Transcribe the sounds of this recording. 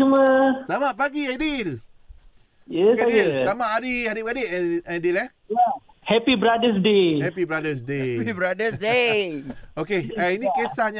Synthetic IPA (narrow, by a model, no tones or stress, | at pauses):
uməsamaʔpaɡiadil | jəɡadilamaʔaɾihadiɡadiʔadilɛ | ja | hɛpibɾadəs̬dehɛpibɾadəs̬deibɾadəsde | okeainikesahɲa